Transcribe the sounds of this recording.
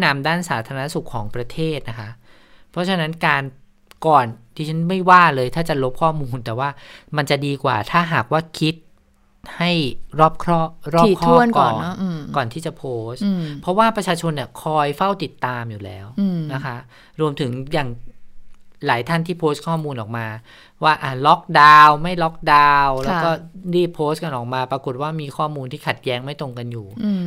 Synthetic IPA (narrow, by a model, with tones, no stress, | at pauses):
na˧mdaː˥˩nsaː˩˦t̪ʰaː˧ɾa˧na˥su˨˩kʰːɔː˩˦ŋpɾa˧t̪ʰeː˥˩t̪̚na˦˥kʰa˦˥ʔ | pʰɔ˦˥t͡ɕʰa˧na˦˥nkaː˧n | kɔː˨˩nt̪ʰiː˥˩t͡ɕʰa˦˥nma˥˩jwaː˥˩lɤː˧jt̪ʰaː˥˩t͡ɕa˨˩lo˦˥p̚kʰɔː˥˩muː˧nt̪ɛː˨˩waː˥˩ma˧nt͡ɕa˨˩ʔdiː˧kwa̰ː˨˩t̪ʰaː˥˩ɦaː˨˩k̚waː˥˩kʰi˦˥t̪̚ | ha˥˩jɾɔː˥˩p̚kʰɾɔː˥˩ɾɔː˥i˨˩k̪ʰɔuː˥˧˩ənkɔː˨˩˨nː˦˧kɔː˨˩nt̪ʰiː˥˩t͡ɕa˨˩pʰoː˦˥spʰɔ˦˥waː˥˩pɾa˧t͡ɕʰaː˧t͡ɕʰo˧nːi˧˥˩kʰɔː˧jfa˥˩wt̪i˨˩t̪ːaː˧mjuː˨˩lɛː˦˥wna˦˥kʰa˦˥ʔ | ɾu˧əmt̪ʰɯ˩˦ŋjaː˨˩ŋ | laː˩˦jt̪ʰa˥˩nt̪ʰiː˥˩pʰoː˦˥s̚kʰɔː˥˩muː˧nʔɔː˨˩k̚maː˧ | waː˥˩ʔa˧˩lɔ˦˥k̚daː˧wma˥˩jlɔ˦˥k̚daː˧wlɛː˦˥wkɔː˥˩ɾiː˥˩pʰoː˦˥st̚ka˧nʔɔː˨˩k̚maː˧pɾa˧ku˨˩t̪̚waː˥˩miː˧kʰɔː˥˩muː˧nt̪ʰiː˥˩kʰa˨˩t̪̚jɛː˦˥ŋma˥˩jt̪o˧ŋka˧njuː˨˩˧